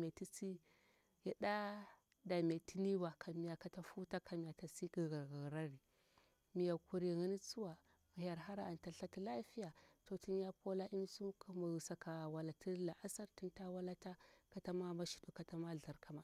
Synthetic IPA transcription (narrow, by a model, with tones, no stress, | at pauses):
me˨ti˦t͡si˦ | ja˨da˦ | da˨me˨ti˦ni˦ba˨kʰa˨mi˨ja˨ka˨˦ta˦fu˦ta˦ka˨mi˨ja˨ta˨si˦ɡi˨ɣa˨ɣa˨ɣɾa˦ɾi˨ | mi˨ja˨ku˦ɾi˨ɣa˦ni˦t͡su˦wa˨ | ɣa˨ja˨ɾɦa˦ɾa˨a˨nta˨ɬa˦ti˦la˦fi˦ja˨to˨ti˦n˦ja˦ko˦la˦ʔi˦n˦su˦ku˨˦ma˨sa˨ka˨wa˨la˨ti˦la˨ʔa˦sa˦ɾti˦nta˦wa˦la˦ta˦ka˦ta˦ma˦ma˦ʃi̥˦du˨ka˨ta˦ma˦ɮa˨ɾkʰa˨ma˨